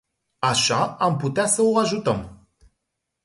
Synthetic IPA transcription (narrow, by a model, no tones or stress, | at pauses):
aʃaamput̪easəoaʒut̪əm